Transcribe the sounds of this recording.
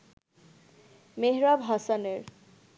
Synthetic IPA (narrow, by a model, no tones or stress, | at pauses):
meɦɾabʱɦasaneɹ